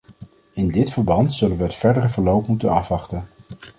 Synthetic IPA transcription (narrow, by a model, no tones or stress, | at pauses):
ɪndɪtfəɹbɑntsɵlənʋəɦətfɛɹdərəvəɹlowpmutənɑfʋɑχtən